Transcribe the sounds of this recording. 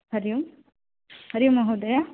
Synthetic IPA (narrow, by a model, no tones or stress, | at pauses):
hɐɾijum | hɐɾɪjumɐɦod̪ɐja